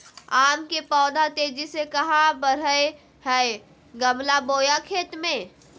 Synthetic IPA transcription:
aːmkepɔːd̪ʱat̪eːd͡ʒisekɐɦãbəɾəe | hɛe | ɡəmlaboːjakʰeːt̪mẽː

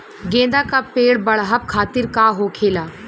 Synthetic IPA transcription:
ɡẽːd̪aːkapeːɽbɐɽɦəb̚kʰaːt̪ɪɾkaɦoːkʰeːlaː

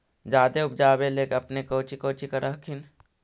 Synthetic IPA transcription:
d͡ʒaːd̪eʊp̚d͡ʒaːbeleːkɐpnekoːt͡ʃikoːt͡ʃikɐɾaɦkʰin

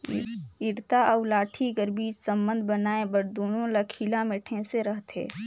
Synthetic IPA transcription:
ɪɾt̪aəʊlaːʈʰiɡəɾbiːd͡ʒsə̃mbə̃nd̪ʱbənaːẽbəɾd̪uːnõlakʰilameʈʰẽseɾəɦt̪ʰḛː

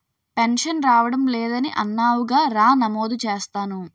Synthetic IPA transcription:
penʂɐnɾaːʋɐɽɐmlɛːd̪ɐniʔɐ̰nːaːwuɡaːɾaːnɐmoːd̪ut͡ʃeːst̪aːnu

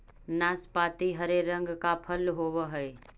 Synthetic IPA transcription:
naːspaːt̪iɦəɾeɾə̃ŋɡkapʰəlɦoːwəɦəe

